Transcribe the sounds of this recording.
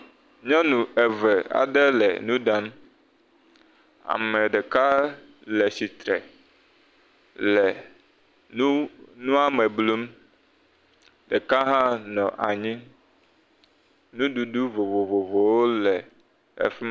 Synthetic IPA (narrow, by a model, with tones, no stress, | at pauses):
ɲɔ̃˦nũ˨ɛ˨vɛ˨a̰˨ɖɛ˦lɛ̰˨nũ˦ɖa˦m˦ | a̰˨mɛ˨ɖɛ˨ka˦ | lɛ˨si˨t̪ɾɛ̰˨ | lɛ˨˦ | nũ˦a˦mɛ˨blu˦m | ɖɛ˨ka˦ɦã˦nɔ̃˨ʔa̰˨ɲĩ˦ | nũ˦ɖu˨ɖu˦vo˨vo˨vo˨vo˨wo˦lɛ˨ | ɛ̰˨fi˦m˦